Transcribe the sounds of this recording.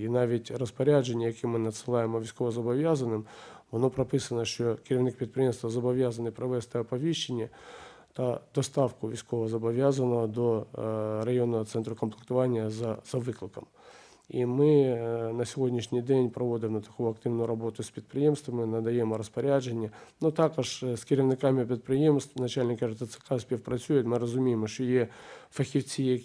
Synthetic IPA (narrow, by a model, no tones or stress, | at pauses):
inaʋʲɪtʲrəspɐɾʲaʐɨnʲɪjəjɐkʲimɨnət̪sɨlˠajɪməvʲɪsʲkovəzɐbɐvʲazənːɨmɐnopɾɐpɨsənəʂokʲɪɾʲɪvnʲik̚pɾʲɪt̪̚pɾʲɪjemst̪vəzɐbɐvʲazənːɨjpɾɐvɛst̪əɐpɐvʲiɕːɪnʲɪə | t̪ɐd̪ɐst̪afkʊvʲɪsʲkovəzɐbɐvʲazənːəvəd̪orɐjo̞nːəvət̪sɛnt̪ɾʊkənplʲɪkt̪ɐvanʲɪjəzzɐvɨklˠɪkəm | imɨnəsʲɪvʲo̞dʲnʲɪʂnʲɪjdʲenʲpɾɐvo̞d̪ʲɪmnɐt̪ɐ̥kujʊɐkt̪ɨvnʊjʊɾɐbo̞t̪ʊsʲpʲɾʲɪt̪̚pɾʲɪjemst̪vəmʲɪnɐd̪ɐjemɐɾəspɐɾʲaʐɨnʲɪənot̪akɐʂsʲkʲɪɾʲɪvnɪkamʲɪpɾʲɪt̪̚pɾʲɪjemst̪vnɐt͡ɕælʲnʲɪkərt̪ət̪sɨ̥kasʲpʲefpɾɐt͡sʲujɪt̪mɨɾəzʊmʲejɪmʂt̪ojefɐxʲɪft͡sʲɪje